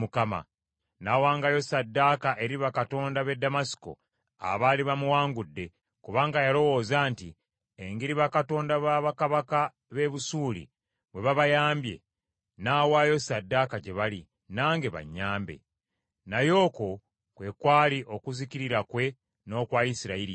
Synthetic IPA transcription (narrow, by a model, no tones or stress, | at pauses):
mukama̰ | naːwaːŋɡajo̞sadːakaʔe̞ɾiβakato̞ːndaβe̞dːamasi̥ko̞̰ | a̰βaliβamuwaːŋɡudːe̞ | kuβaːŋɡajalo̞wo̞ːzaːnti | eŋɡiɾiβakato̞ːndaβaːβakaβaka | βe̞βusuːlḭ | βwe̞βaβajaːmbje̞̰ | naːwaːjo̞sadːakaɟe̞βali | naːŋɡe̞βa̰ɲːaːmbe̞̰ | najo̞ːko̞ | kwe̞kwaːliʔo̞kuziciɾiɾakwe̞ | no̞ːkwaːjisiɾaiɾi